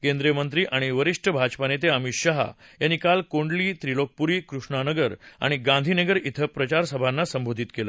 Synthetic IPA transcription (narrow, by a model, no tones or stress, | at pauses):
kẽnd̪ɾijəmənt̪̬ɾiːʔaɽ̃iʋəɾiʂʈʰəbʱad͡ʑpanet̪̬eəmiɕaɦa̰janikalkoɳɖliːt̪ɾilok̚puɾiːkɾuʂɳanəɡəɾa̰ɽ̃iɡãnd̪ʱinəɡəɾit̪ʰəpɾət͡ɕaɾsəbʱanːasəmbʱod̪ʱit̪kelə̰